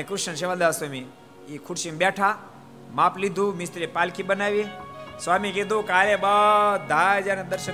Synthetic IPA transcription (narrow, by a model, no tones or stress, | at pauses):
ekɾɪʃənʃ̬eʋad̪aːʋswami | ikʰʊɽʃimbɛʈʰa | maːplid̪ʱũmɪst̪ɾipaːlkʰibənaːʋiswaːmiked̪ʱukaːlebad̪ʱad͡ʒanẽd̪əɾʃə